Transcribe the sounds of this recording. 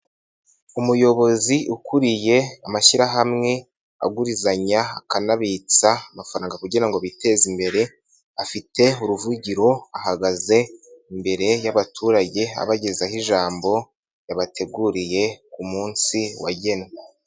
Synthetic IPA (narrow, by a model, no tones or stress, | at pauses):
umujo̞βo̞ziukʰuɾije̞amaʃiɾaɦamŋe̞ | a̰ɡuɾizaɲaakanaβit͡saːmafaɾaːŋɡakuɟenaŋɡoβite̞zimbe̞ɾe̞ | afite̞uɾuvuɟiɾo̞ahaɡaze̞imbe̞ɾe̞jaβatʰuːɾaɟe̞a̰βaɟe̞zahiʒaːmbo̞ | jaβatʰe̞ɡuɾije̞kumuːnsiwa̰ɟe̞ne